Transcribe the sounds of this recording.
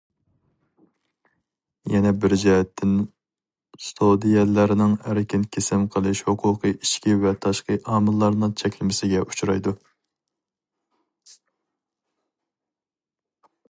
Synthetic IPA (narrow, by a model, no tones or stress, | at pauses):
jɛnɛbɪɾd͡ʒiɦɛt̪ʰːɪn | st̪ʰod̪ijɛlːæɾnɪŋæɾkʲʰɪnkʲʰesɪmqʰəlˠɨʃhʊqʰʊqʰɨʔiʃkʲivɛt̪ʰɑʃqəʔɑːmɨlˠːɑɾnɨŋt͡ʃʰɛkʲlɪmɪsɪɡʲɛʔu̥t͡ʃʰuɾɑ̰jd̪u